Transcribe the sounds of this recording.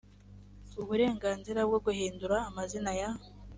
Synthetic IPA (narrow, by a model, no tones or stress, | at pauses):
uβuɾe̞ːŋɡaːnziɾabɡoɡuhiːnduɾaːmazinaja